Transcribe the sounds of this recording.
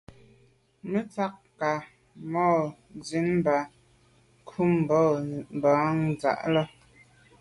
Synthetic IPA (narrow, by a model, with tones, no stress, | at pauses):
me˦t͡sa˦k | ka˨ | mɔː˦˨ | d͡zi˨˦nba˨ | kʰu˦m˨bɔ˦˨m˨ba˨˦ŋd͡za̰˨ʔlɔ˦